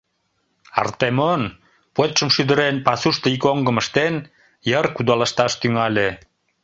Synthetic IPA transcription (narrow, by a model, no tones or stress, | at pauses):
ɑ̰rt̪emon | pot̪t͡ʃəmʃyd̪ə̆ɾenpɑsuʃt̪əikoŋɡə̆məʃt̪en | jərkud̪ɑlɑʃt̪ɑʃt̪yŋɑlʲe